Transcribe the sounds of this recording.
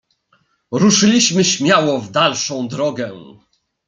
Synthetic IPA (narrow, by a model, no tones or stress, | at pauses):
ɾuʂɘlʲiɕmɘɕmʲjawɔvd̪alʂɔ̃w̃d̪ɾɔɡɛ